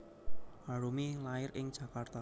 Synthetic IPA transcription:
haɾumilaɪɾʔɪŋd̥ʒ̥ä̤kart̪a

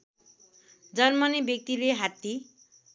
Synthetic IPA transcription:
d͡zʌrmʌnibjʌk̚t̪ileɦat̪ːi

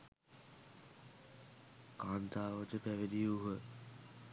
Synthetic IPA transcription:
kaːnt̪aːʋət̪əpæʋed̪iuɦə

